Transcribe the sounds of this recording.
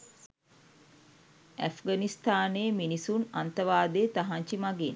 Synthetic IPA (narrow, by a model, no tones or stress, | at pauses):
æfɡanist̪aːneːminisunant̪əʋaːd̪eːt̪aɦaɲt͡ʃimaɡen